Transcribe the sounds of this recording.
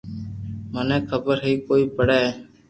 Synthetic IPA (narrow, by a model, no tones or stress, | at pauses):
mənɛ̃ːkʰəbəɾɦiːkoːiːpəɽɛː